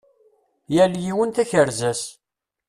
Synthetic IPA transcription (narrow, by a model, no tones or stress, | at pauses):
jæljiwənt̪æçəɾzæs